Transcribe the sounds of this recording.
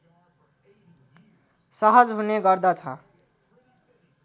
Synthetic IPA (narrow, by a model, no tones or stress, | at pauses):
sʌɦəd͡ʒɦuneɡʌɾd̪at͡ʃʰʌ̰